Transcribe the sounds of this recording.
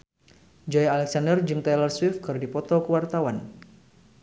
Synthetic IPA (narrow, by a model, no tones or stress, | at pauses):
d͡ʒɔjalɛk̚sandərd͡ʒɨŋt̪alərswifkɨrdipɔt̪ɔkəwart̪awan